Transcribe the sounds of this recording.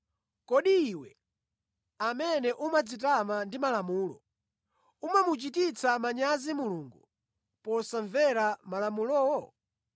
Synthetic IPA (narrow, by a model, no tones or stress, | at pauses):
kɔɗiːwɛ | amɛnɛʔumad͡zit̬amandimalamuːlɔ̰ | umamut͡ʃitit͡sʰamaɲazimuluːŋɡu | pɔsaɱvɛɾamalamulɔwɔ